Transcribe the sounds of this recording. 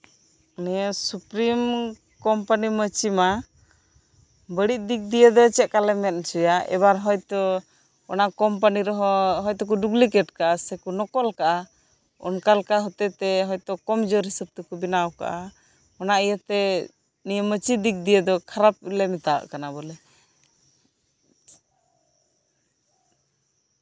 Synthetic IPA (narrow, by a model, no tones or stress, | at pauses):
nɛjəsupɾim | kɔmpanimət͡ʃima | bəɽiʔ̚ˀd̪ik̚d̪ijəd̪ɔt͡ʃɛt̪̚kalɛmɛt̪̚t͡ʃujaʔɛ̰baɾɦɔjt̪ɔ | ɔnaʔkɔmp̬aniɾɔɦɔɦɔjt̪ɔk̬uɖuɡlikɛʈkaʔasɛkunɔkɔlkaʔa | ɔ̰nkalkaɦɔt̪ɛt̪ɛɦɔjt̪ɔkɔmd͡ʒɔɾɦisəb̚t̪kubinawka̰ʔa | ɔnaʔijət̪ɛ | nijəmət͡ʃid̪ik̚d̪ijəd̪ɔkʰaɾap̚lɛmɛt̪aa̰ʔkanabɔlɛ